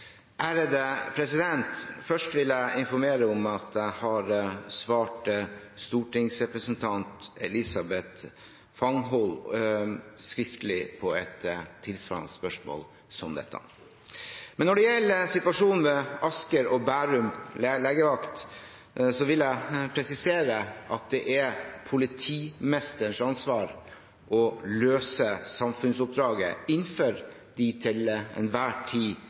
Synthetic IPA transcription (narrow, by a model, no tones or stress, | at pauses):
ʔæːɾəd̪əpʰɾɛsɪd̪ɛnt̪fœʂʈʋɪlæɪɪnfɔɾmeːɾəɔmɑt̪d̪æhɑɾsʋɑːʈst̪uːʈɪŋsɾɛpɾəsənt̪ʰɑnt̪ɛ̰lɪsɑbɛt̪ | fɑŋɦɔl | skɾɪft̪əlɪpʰɔɛt̪ʰːɪlsʋɑ̰ɑ̰nəspœʂmo̰ːl | sɔmd̪ɛ̰t̪ʰːə̰ | mɛnːɔɖɛjɛlːəsɪt̪ʋɑʂuːn̩ʋɛɑskəɾɔbæːɾʉmleːɡəʋɑkt̪ | sɔʋɪljæɪpʰɾɛsɪseːɾəʔɑt̪̚d̪ɛʔɛpʰʊlɪt̪ʰiːmɛst̪əɳʂɑnsʋɑːɾ | ʔɔløːsəsɑmfʉnsʊp̚d̪ɾɑːɡə̰ɪnːføːɾ | d̪it̪ʰɪlɛ̰nʋæːʈʰiː